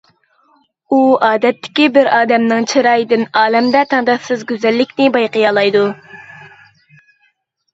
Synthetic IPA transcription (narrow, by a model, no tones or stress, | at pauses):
uɑːd̪ɛt̪ʰːɪ̥kʲibɪɾɑːd̪ɛmnɨŋt͡ʃʰɨɾɑjd̪ɪnɑːlɛmd̪ɛt̪ʰɑŋd̪ɑsɨzɡʲøzɛlːɪkʲnɪbɑjqəjɑːlˠɑjd̪u